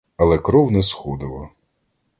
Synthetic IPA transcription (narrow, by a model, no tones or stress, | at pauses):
ɐlˠɛkɾɔwnɛsxɔd̪ɪlˠɔ